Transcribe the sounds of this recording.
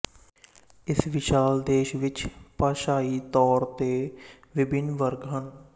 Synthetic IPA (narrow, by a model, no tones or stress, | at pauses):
ɪsʋɪʃaːld̪eːʃʋɪt͡ʃpaːʃaːiːt̪ɔːɾt̪eː | ʋɪbɪnʋəɾɡɦən